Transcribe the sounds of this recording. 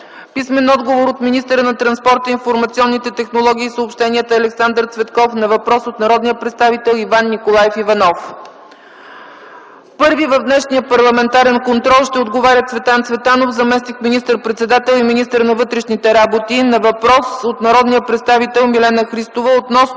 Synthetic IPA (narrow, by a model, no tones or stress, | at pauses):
pismɛnɔd̪ɡovoɾot̪minist̪əɾənɐt̪ɾɐnspɔɾt̪əinfoɾmɐt̪siɔnːit̪ɛt̪ɛxnolˠɔɡʲiːsəoːpʃt̪ɛniət̪əɐlɛksand̪əɾt̪svɛt̪kɔfnɐvɐpɾɔsot̪nɐɾɔd̪nijəpɾɛt̪st̪avit̪ɛlˠivanːikolˠajɛfivɐnɔf | pɤɾvivəvd̪nɛʃniəpɐɾlˠɐmɛnt̪aɾɛnkont̪ɾɔlˠʃt̪ɛod̪ɡovaɾʲət̪svɛt̪ant̪svɛt̪anofzɐmɛsnikminist̪əɾpɾɛt̪sɛd̪at̪ɛlˠiminist̪əɾnɐvɤt̪ɾɛʃnit̪ɛɾabot̪inɐvɐpɾɔsot̪nɐɾɔd̪nijəpɾɛt̪st̪avit̪ɛlˠmilɛnəxɾist̪ovəot̪nɔsn